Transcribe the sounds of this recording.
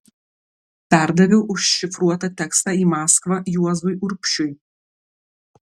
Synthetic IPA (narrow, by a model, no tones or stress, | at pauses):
pʲæˑɾd̪ɐʋʲɛʊʔʊʃʃʲɪfɾuɔt̪ɑt̪ʲɛkst̪ɑːiːmɑːskʋɐjuɔzʊjʔʊɾʲpʲʃʲʊj